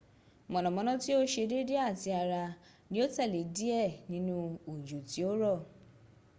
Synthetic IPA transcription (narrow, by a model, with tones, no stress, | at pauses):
mɔ̃˨nɔ̃˨mɔ̃˨˧nɔ̃˦ti˦o˦ʃe˧de˦de˦a˦˨ti˧a˧ɾa˧ | nĩ˧˦o˦tɛ˦˨le˨˦di˦ɛ˦˨nĩ˦nũ˦o˨d͡ʒu˨ti˨˦o˦ɾɔ˦˨